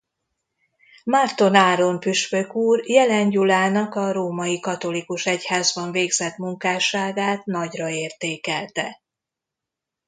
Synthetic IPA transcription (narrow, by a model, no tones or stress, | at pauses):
mart̪o̞naːɾo̞mpyʃpøkuːrjɛlɛɲɟulaːnɒkɒɾoːmɒjikɒt̪o̞likuʃɛchaːzbɒɱveːɡzɛt̪muŋkaːʃaːɡaːt̪nɒɟrɒeːrt̪eːkɛlt̪ɛ